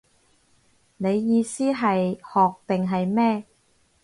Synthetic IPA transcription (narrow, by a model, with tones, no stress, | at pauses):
ne˨˧jːiː˨˧siː˥ɦɐ˨jhɔː˨k̚t̪ɪ˨˩ŋɦɐ˨jmɛː˥